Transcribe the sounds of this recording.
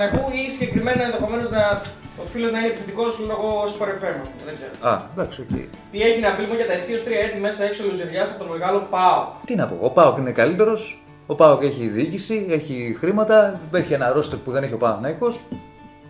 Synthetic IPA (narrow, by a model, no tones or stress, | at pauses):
ɐkuisiɲɟe̞kɾime̞noenðexo̞me̞no̞znɐ | ofiloznɐinepiθet̪ikosonoɣo̞spoɾevemoðeɡzeɾoɐ̰d̪ɐksocḛ | t̪ie̞çinɐvilimonʝɐt̪ɐesio̞st̪ɾiɐet̪ime̞sɐeksoluzeɾʝɐsɐpot̪ome̞ɣɐlo̞pɐot̪inɐpo̰opaokinekalit̪e̞ɾo̞s | o̞pɐoke̞çiðicisie̞çixɾimɐt̪ɐeçienɐɾo̞st̪opuðe̞ne̞çiopɐoθnɐiko̞s